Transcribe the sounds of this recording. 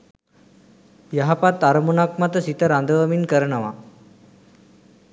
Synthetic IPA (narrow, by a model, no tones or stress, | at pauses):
jɐɦapat̪aɾɐmunak̚mat̪əsit̪əɾand̪əʋəminkəɾənəʋa